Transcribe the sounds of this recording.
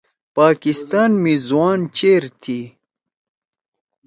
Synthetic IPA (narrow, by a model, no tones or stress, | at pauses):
paːkist̪aːnmizwaːnt͡ɕeːɾt̪ʰi